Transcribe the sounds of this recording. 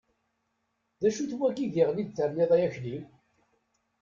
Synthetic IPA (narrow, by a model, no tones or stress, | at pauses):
ðæʃuθwæɡiðiʁlid̪θəɾneðˤæjæçlim